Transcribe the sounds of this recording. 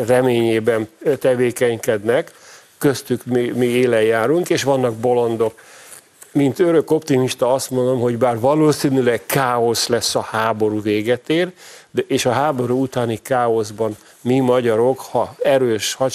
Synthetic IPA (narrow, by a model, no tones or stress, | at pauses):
rɛmeːɲeːbɛnt̪ɛveːkɛɲkɛd̪nɛkː | øst̪ykmimieːlɛjːaːɾuŋkeːʃʋɒnːɒɡ̚bo̞lo̞nd̪o̞k | mint̪øɾø̞ko̞pt̪imiʃt̪ɒɒst̪mo̞nd̪o̞mɦo̞ɟbaːrvɒloːsinylɛkkʰaːo̞slɛsːɒhaːbo̞ɾuːveːɡɛt̪eːrd̪eːʃɒɦaːbo̞ɾuːut̪aːnikaːo̞zbɒn | mimɒɟɒɾo̞khɒɛɾøːʃhɒ